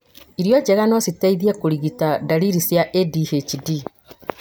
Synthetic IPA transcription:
iɾjɔd͡ʒɛɣanɔsitaiðiekuɾiɣitadaɾiɾisjaʔedihet͡ʃidi

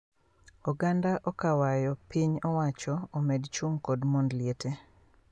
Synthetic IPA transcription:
ɔɡandaʔɔkawajɔpiɲɔwat͡ʃɔːmedt͡ʃuŋkodmondlɪete

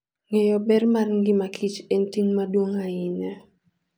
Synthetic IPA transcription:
ŋejɔbɛrmarŋɡɪmakʰit͡ʃɛntiŋmadwoŋaɪnɛ

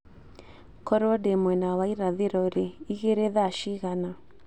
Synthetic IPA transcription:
kɔɾɔdemwɛnawaiɾaðeɾɔɾeiɣeɾeðaʃiɣana

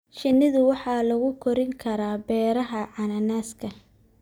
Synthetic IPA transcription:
ʃɪnɪðʊwɑħɑːlɐɣʊkʰɔɾɪŋkʰɐɾaːbɛːɾɐɦɐʕɑnɐnaːskʰɐ

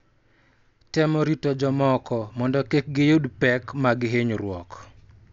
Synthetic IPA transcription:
tɛmɔɾitɔd͡ʒɔmɔkɔmɔndɔkek̚ɡɪjodpɛkmaɡɪɦeɲoɾwɔk

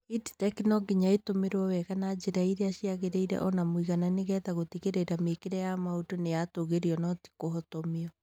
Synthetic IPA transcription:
idi̥tɛknɔɡiɲaetomeɾwɔwɛɣanad͡ʒeɾaiɾeaʃiaɣeɾeiɾɛ̰ʔɔnamwiɣananeɣɛtaɣotiɣeɾeɾamekeɾɛjamaotonejatoɣeɾiɔnɔti̥kohotomeɔ

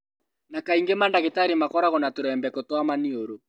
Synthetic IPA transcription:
nakaiŋɡemandaɣetaɾemakɔɾaɣɔnatoɾɛmbɛkotwamanioɾo

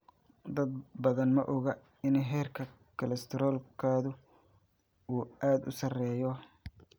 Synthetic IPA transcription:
d̪ɐd̪̚bɐðɐnmɐʔɔɣɐ | ɪnɦɛːrkʰɐ | kʰɐlɐst̪ʰɪɾɔːlkʰaːðʊ | uːaːd̪ʊ̰sɐrɛːjɔ

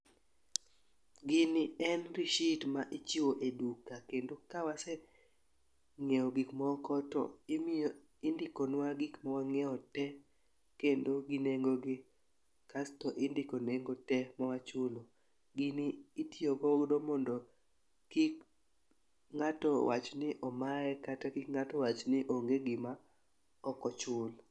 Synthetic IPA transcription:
ɡɪnɪɛnɾɪʃitmaʔɪt͡ʃioʔedukakendokawasɛ | ŋeɔɡikmɔkɔtɔ̰ɪmo | ɪndɪkɔnwaɡɪkmɔwaŋɛɔtɛ | kendoɡɪneŋɡoɡɪ | kastɔʔɪndɪkoneŋɡotɛmɔwat͡ʃʊlo | ɡɪnɪːtjoɡɔdomɔndɔ | kik | ŋatɔwa̰t͡ʃnɪʔɔmaɛkatakikŋatɔwat͡ʃnɪʔoŋɡeɡɪma | ɔkɔt͡ʃʊl

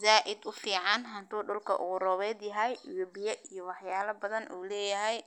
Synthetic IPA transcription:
zaːʔɪd̪ʊfiːʕɑnɦɐnt̪uːɗʊlkʰɐ̰ʔʊ̰ɣʊrɔːβɛːd̪jɐɦɛjwɛbɪjɛʔijɔwɑħjaːlɐbɐðɐnʔṵːlɛːjɐɦɛj

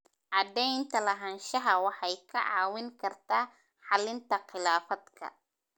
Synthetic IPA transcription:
ʕɑd̪ɛjnt̪ʰɐlɐɦɐnʃɐɦɐwɑħɑjkʰɐʕɑːwɪŋkʰɐrt̪ʰaː | ħɑlɪnt̪ʰɐqɪlaːfɐd̪kʰɐ̰

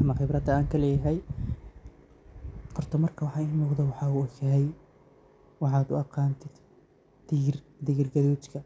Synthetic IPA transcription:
mɐχɪbɾɐd̪ɐaːŋkʰɐlɛːjɐɦɛj | qɔrt̪ʰɔmɐrkʰɐwɑħɑːɪmʊːqd̪ɐwɑħɑːuɔkɛɦɛj | wɑħɑːd̪ʊ̰ɑqɑːnt̪ʰɪd̪̥ | d̪̥ɪrd̪ɪɪrɡɐðuːt͡ʃkʰɐ

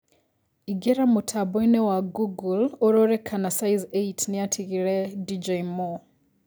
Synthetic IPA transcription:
iɡeɾamutʰabɔinewaɡuɡuloɾoɾekʰanasajzeitʰnijatʰiɣiɾedid͡ʒejmo

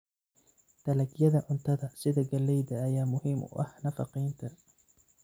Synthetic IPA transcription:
t̪ʰɐlɐɡjɐðɐʔʊnt̪ʰɐðɐsɪðɐɡɐlɛjðɐːjaːmʊhiːmʊ̰ʔɐ̰hnɐfɑqijnt̪ʰɐ

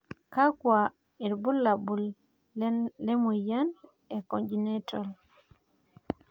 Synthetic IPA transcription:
kakwa | iɾbulːabul | lɛmujan | ɛkoɲd͡ʒinetɔl

